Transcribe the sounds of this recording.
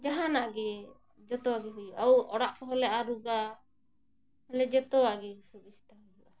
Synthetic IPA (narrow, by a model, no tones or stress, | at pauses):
d͡ʒaɦanaʔɡɛ | d͡ʒɔt̪ɔwaɡɛɦujʔawɔɽaʔkɔɦɔlɛʔaɾuɡa | ɛlɛd͡ʒɛt̪ɔwaɡɛusubisi̥t̪aɦ | a